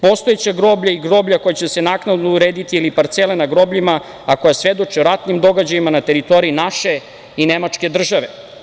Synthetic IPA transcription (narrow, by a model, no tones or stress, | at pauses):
po̞st̪oet͡ɕaɡɾo̞ːbʎaiɡɾo̞bʎako̞jat͡ɕe̞senaːknad̪nouɾeːd̪it̪iilipaɾt̪selenaɡɾo̞bʎima | ako̞jasʋe̞d̪o̞t͡ʃeoɾat̪nimd̪o̞ɡad͡ʑajimanat̪e̞ɾit̪o̞ɾiinaʃe̞ | inemat͡ʂke̞d̪r̩ʒaʋe̞